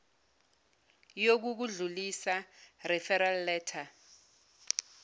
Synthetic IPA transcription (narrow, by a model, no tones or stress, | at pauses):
jok̬uk̬uɮulisarɛfɛɾalːɛːtʰa